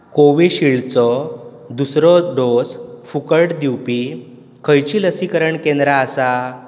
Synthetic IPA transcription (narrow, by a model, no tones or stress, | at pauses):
koʋiɕiɭt͡sɔd̪usɾɔɖosfukəɾʈd̪iwpi | kʰəjt͡ɕiːləsikəɾəɳkẽnd̪ɾaːsa